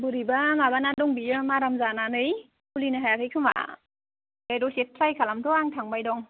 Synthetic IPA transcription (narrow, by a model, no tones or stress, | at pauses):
bɯɾibamabanadɔŋbiɯmaɾamzananɯj | bulinɯɦajakʰɯjkʰɯma̰ | dajdɔset̚pʰlajkʰalamtɔaŋtʰaŋbajdɔŋ